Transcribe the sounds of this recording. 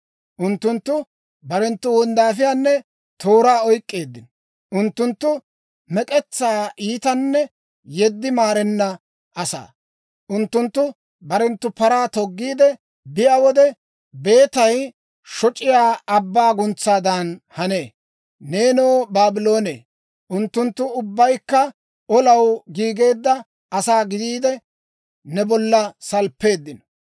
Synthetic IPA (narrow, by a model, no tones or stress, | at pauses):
ʔʊnt̪ːʊnt̪ːʊ | bɐɾɛnt̪ːʊwɔnd̪aːfɪjaːnːɛ | t̪ʰo̞ːɾaːɔjkʼːeːd̪ːɪn | ʔʊnt̪ːʊnt̪ːʊ | mɛkʼɛt͡sːaːʔiːt̪ɐnːɛ | jɛd̪ːɪmaːɾɛnːɐ | ɐsa̰ː | ʔʊnt̪ːʊnt̪ːʊ | bɐɾɛnt̪ːʊpɐɾaːt̪ɔɡːiːd̪ɛ | bɪjaːwɔd̪ɛ | be̞ːt̪ɐj | ʃɔt͡ʃʼɪjaːɐbːaːɡʊnt͡sːaːd̪ɐnhɐne̞ː | ne̞ːnoːbaːbɪlo̞ːnḛː | ʔʊnt̪ːʊnt̪ːʊʊbːɐjkːɐ | ɔlɐwɡiːɡe̞ːd̪ːɐ | ɐsaːɡɪd̪iːd̪ɛ | nɛbɔlːɐsɐlpːe̞ːd̪ːɪnɔ̥